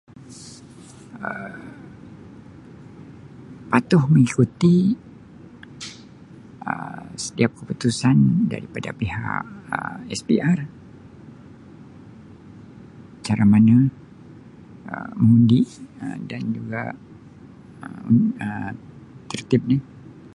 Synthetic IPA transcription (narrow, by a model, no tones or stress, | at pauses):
ə | pat̪ʊhməŋikut̪i | ə̰sə̥t̪iap̚kəput̪usanda̰ɾipada̰piɦa̰ʔə̰ɛsbiar | t͡ʃaɾamana | ə̰məŋundiə̰dand͡ʒuɡa̰ | əuə | t̪ərt̪ɪp̚ni